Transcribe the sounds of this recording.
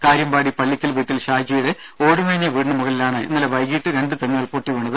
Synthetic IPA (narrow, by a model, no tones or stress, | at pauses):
kaːɾjɐmbaːɽipɐɭːikʲːɐlʋiːʈːilɕaːjd͡ʑijuɽeo̞ːɽumɐɻɲːɐʋiːɳɳɐmuɣɐɭlilaːɳɨinːɐleʋɐjɡiːʈːɨɾe̞ɳɖɨt̪ɐɲːɐɐɭpoːʈːiʋeɳːɐðɨ